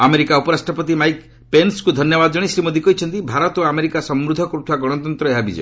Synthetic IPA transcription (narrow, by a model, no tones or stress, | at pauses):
ameɾikaupɔɾasʈɾɔpɔt̪imajk | penskud̪ʱɔnjɔbad̪ɔd͡ʒɔɽ̃isɾimod̪ikɔɦit͡ʃʰɔnt̪ibʱaɾɔt̪ameɾikasɔmɾud̪ʱːɔkɔɾut̪ʰaɡɔɽ̃ɔt̪ɔnt̪ɾɔeɦabid͡ʒɔ̰j